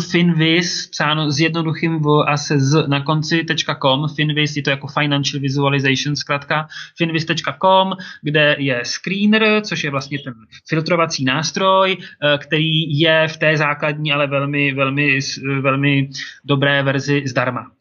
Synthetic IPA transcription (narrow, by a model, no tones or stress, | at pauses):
fɪnvɪspsaːnozjɛdno̞duxɪmvʔasɛznako̞nt͡sɪt̪ɛt͡ʃkako̞mfɪnvɪsjɛt̪ojako̞fajnanʃl̩vɪzualɪzajʃnskɾat̪kafɪnvɪst̪ɛt͡ʃkako̞mɡdɛjɛskɾiːnrt͡soʃjɛvlast̪ɲɛt̪ɛnfɪlt̪ɾo̞vat͡siːnaːst̪ɾo̞jkt̪ɛɾiːjɛft̪ɛːzaːkladɲiːalɛvɛlmɪvɛlmɪsvɛlmɪdo̞bɾɛːvɛɾzɪzdaɾma